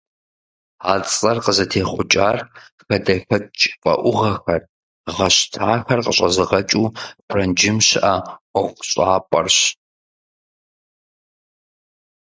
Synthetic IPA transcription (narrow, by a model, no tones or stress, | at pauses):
aːt͡sʼɐrqəzɐtʰeːχʷʊt͡ʃʼaːr | xɐdɐfɐt͡ʃʼpʼɐ̰ʔʷʊʁɐxɐr | ʁɐɕtʰaːxɐrqəɕʼɐzɨʁɐt͡ʃʼuːb̥ʰrɐnd͡ʒɪmɕʔaqʷʊɕʼaːpʼɐ̰rɕ